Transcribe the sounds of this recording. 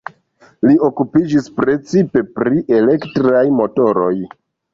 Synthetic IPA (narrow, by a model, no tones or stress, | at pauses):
lio̞kupid͡ʒispɾe̞t͡sipe̞pɾiʔe̞le̞ktɾajmo̞to̞ɾo̰j